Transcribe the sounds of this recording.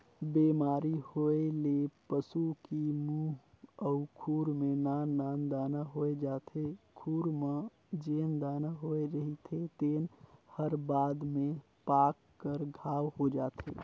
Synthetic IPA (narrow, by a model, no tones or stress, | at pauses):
bemaːɾihoelepəsukimũəʊkʰuːɾmenaːnd̪aːnd̪aːnaɦoed͡ʒaːt̪ʰekʰuːɾma | d͡ʒeːnd̪aːnaɦoeɾəɦit̪ʰet̪eːnhəɾbaːd̪mẽ | paːkːəɾɡʱaːwɦod͡ʒaːt̪ʰḛː